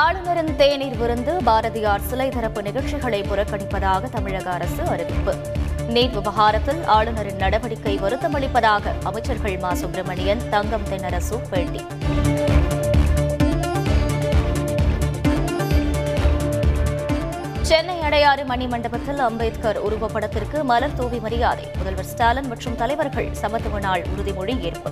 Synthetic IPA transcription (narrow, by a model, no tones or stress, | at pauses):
aːɭɯnɐɾɪnt̪eːniːɾʋɪɾɯnd̪ɯbaːɾɐðɪjaːɾsɪlɐɪt̪ɐɾɐpːɯnɪɣɐɭt͡ʃɪɣɐɭɐɪpʊɾɐkːɐɽɪpːɐðaːɣɐt̪ɐmɪɻɐɣɐːɾɐsɯɐɾɯbɪpːɯ | niːɾʋɪʋɐɦaːɾɐt̪ːɪlaːɭɯnɐɾɪnːɐɽɐʋɐɽɪkːɐɪʋɐɾɯt̪ːɐmɐɭɪpːɐðaːɣɐɐmɐɪt͡ʃːɐɾɣɐɭmaːsokɾɐmɐɳɪjɐnt̪ɐŋɡɐmt̪ɛnːɐɾɐsupeːɭti | t͡ʃɛnːɐɪɐɽɐjaːɾɯmɐɳːimɐɳɖɐbɐt̪ːɪlɐmbɐɪt̪kɐɾʊɾʊʋɐpːɐɽɐt̪ːɪrkɯmɐlɐɾt̪oːʋimɐɾɪjaːðɐ̰ɪmʊðɐlʋɐɾsʈaːlɐnmɐʈrɯmt̪ɐlɐɪʋɐɾɣɐ̰ɭsɐmɐt̪ːɯʋɐnaːɭʊ̰ɾɯðimʊɻieːrpɯ